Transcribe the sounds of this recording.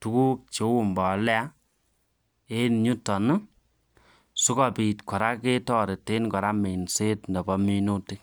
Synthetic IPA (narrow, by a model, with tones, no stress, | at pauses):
tu˦ku˦k̚t͡ʃe˨˦wu˦˨mbɔ˨lɛ˦a˦ | e˦nɲu˦tɔ˨nu˦ | su˦ka˦pi˨tkɔ˨ɾa˦ke˦tɔ˦ɾe˨te˦nkɔ˨ɾa˦me˨nse˦tndɛ˨bɔ˦mi˦no˦ti˦